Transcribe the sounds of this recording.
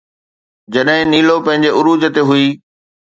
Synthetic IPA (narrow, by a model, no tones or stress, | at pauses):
d͡ʑɐɗɦɪ̃niːlopɐ̃ɦɪ̃ɲd͡ʑeʔʊɾuːd͡ʑət̪eɦʊiː